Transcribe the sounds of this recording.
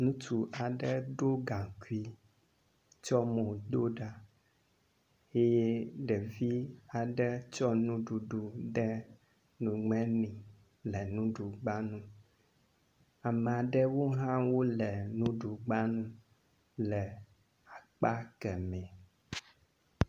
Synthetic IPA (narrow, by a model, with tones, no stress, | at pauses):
nũ˦t̪u˨ʔa˨ɖɛ˦ɖo˦ɡã˨ku˦i˦ | t͡ʃɔ˦mõ˨d̪o˦ɖa˨ | e˦je˦ɖɛ˨vi˦a˨ɖɛ˦t͡ʃɔ˦nũ˦ɖu˨ɖu˨ɖɛ˦ | nũ˨ŋɛ̃˦nĩ˨ | lɛ˨nũ˦ɖu˨ɡ͡ba˦nũ˦ | a˨mɛ˨a˨ɖɛ˦wo˦ɦã˦wo˦lɛ˨nũ˦ɖu˨ɡ͡ba˦nũ˦ | lɛ˨ | a˨k͡pa˦kɛ˨mɛ̃˨